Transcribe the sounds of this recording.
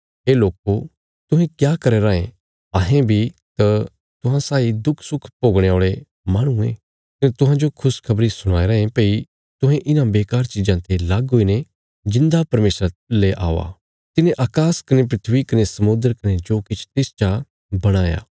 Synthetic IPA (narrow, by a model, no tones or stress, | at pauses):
ɦeːloːko | t̪ʊɦẽkjaːkɐɾeɾaːḛ̃ | aːɦẽbʱit̪ɐ | t̪ʊɦãsaːid̪ʊkʰsʊkʰpoːɡɽ̃ẽoːɭe | maːɽ̃ũẽː | kɐnẽt̪ʊɦãd͡ʒokʰʊskʰɐbɾisʊɽ̃aːeɾɐːẽpeːi | t̪ʊɦẽʔɪnãbeːkaːɾt͡ʃɪd͡ʒãt̪ʰelaɡɦoːine | d͡ʒɪ̃nd̪apɐɾmeːsɾaleʔa̰ːʋa̰ | t̪ɪnẽʔaːkaːskɐnep̬ɾɪt̪ʰʋikɐnesɐmʊ̃nd̪əɾkɐned͡ʒoːkɪt͡ʃʰt̪eːst͡ʃa | bɐɽ̃aːja̰ː